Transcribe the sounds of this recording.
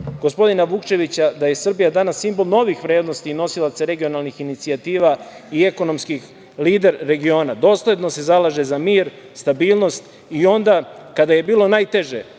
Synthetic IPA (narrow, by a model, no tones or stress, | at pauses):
ɡ̥o̞spo̞d̪inaʋukt͡ʃe̞ʋit͡ɕad̪aje̞sr̩bijad̪anasːimbo̞lˠno̞ʋixʋɾeːd̪no̞st̪iːno̞silˠat̪saɾe̞ɡijo̞nalnixinit̪siat̪iːʋa | ie̞ko̞no̞mskix | liːd̪eɾːe̞ɡio̞ːnad̪o̞ːsle̞d̪no̞se̞zalaʒezamiːɾ | st̪abiːlˠno̞st̪ | io̞nd̪akad̪aje̞biːlo̞naːjt̪e̞ʒe